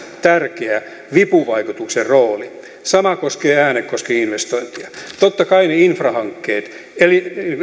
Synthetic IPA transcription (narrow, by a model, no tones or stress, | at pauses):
t̪ærkeæ | ʋipuʋɑikut̪ukserroːli | sɑmɑkoskeːæːnekkoskeinʋest̪oint̪iɑt̪ot̪ːɑkɑineinfrɑhɑŋkːeːt̪ | eli